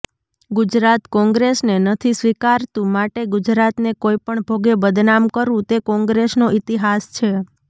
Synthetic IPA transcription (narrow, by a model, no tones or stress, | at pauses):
ɡud͡ʒɾat̪kɔ̃ŋɡɾesnenət̪ʰisʋikaɾt̪ũmaʈeɡʊd͡ʒɾat̪nekoipəɳbʱoɡebəd̪namkəɾũt̪ekɔ̃ŋɡɾesnoʔit̪iɦast͡ʃʰe